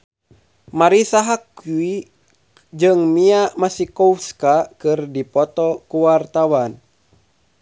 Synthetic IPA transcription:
maɾisaɦakui | d͡ʒɨŋmiamasikɔuskakɨrdipɔt̪ɔkuwart̪awan

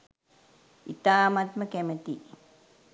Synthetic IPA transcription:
ḭt̪aːmat̪makemet̪iʔ

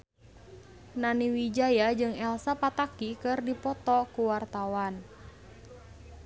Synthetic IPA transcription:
naniwid͡ʒajad͡ʒɨŋɛlsapat̪akikɨrdipɔt̪ɔkuwart̪awan

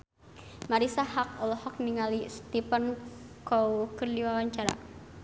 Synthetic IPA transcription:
maɾisahakɔlɔhɔk̚niŋalist̪ipənkɔukərliwawaɲt͡ʃaɾa̰

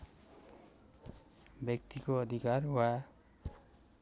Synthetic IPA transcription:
bjʌk̚t̪ikoʌd̪ʱikaɾwa

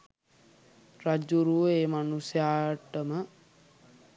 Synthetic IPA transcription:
rad͡ʒuɾuʋəeːmanusjaːʈəmə

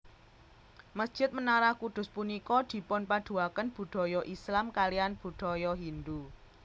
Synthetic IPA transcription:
məsd̥ʒ̥ɪ̤t̪̚mənaɾahkud̪̥ʊ̤spunikɔd̪̥i̤pɔnpaɖ̪̥ṳakənb̥ṳɖ̪̥ɔ̤jɔʔislamkalianb̥ṳɖ̪̥ɔ̤jɔɦind̪u

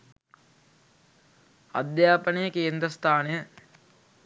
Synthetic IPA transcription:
ɐ̰d̪jaːpənejəkeːnd̪ɾəst̪ʰaːnejə

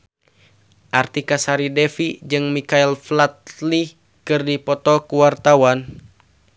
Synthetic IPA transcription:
ʔart̪ikasaɾidɛfid͡ʒɨŋmikailflat̪̚li | kɨrdipɔt̪ɔkuwart̪awan

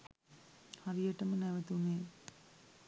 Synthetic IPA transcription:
harijəʈəmənɛʋɐt̪uneː

